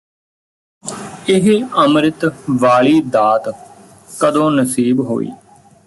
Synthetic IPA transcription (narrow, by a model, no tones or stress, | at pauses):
ɪɦəmɾɪt̪ʋaːɭiːd̪aːt̪ | kəd̪õːnəsiːbɦo̰ːḭː